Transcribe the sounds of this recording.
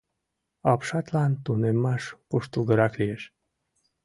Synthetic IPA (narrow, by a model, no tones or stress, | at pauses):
ɑpʃɑt̪lɑnt̪unemːɑʃkuʃt̪ulɡəɾɑklijeʃ